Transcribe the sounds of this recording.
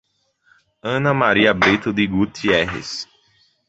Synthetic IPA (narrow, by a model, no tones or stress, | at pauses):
ɐ̃nɐmaɾiɐbɾet̪ʊd̪ɪɡut̪ʰiɛɦɪ̰s